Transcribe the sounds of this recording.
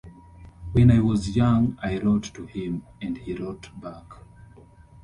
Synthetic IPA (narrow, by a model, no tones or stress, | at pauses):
wɛ̃najwɔzjãŋajɹɔttuhĩmɛ̃ndhiɹɔtbak